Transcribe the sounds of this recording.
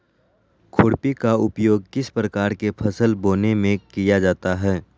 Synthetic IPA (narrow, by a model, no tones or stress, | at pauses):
kʰʊɽpikaʊpjoːɡ̚kɪspɾəkaːɾkepʰɐsəlboːnemẽkijad͡ʒaːt̪aɦɛː